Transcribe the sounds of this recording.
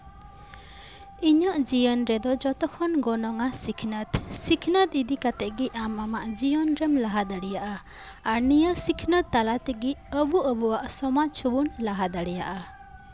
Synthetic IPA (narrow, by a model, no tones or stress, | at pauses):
iɲaʔd͡ʒijənɾɛd̪ɔd͡ʒɔt̪ɔkʰɔnɡɔnɔŋasikʰnət̪sikʰnət̪id̪ikat̪ɛʔɡiamamaʔd͡ʒijɔnɾɛmlaɦad̪aɽijaʔa | aɾnijasikʰnət̪ːalat̪ɛɡiʔəbuʔəbuaʔsɔmat͡ʃʰubunlaɦad̪aɽɛja̰ʔa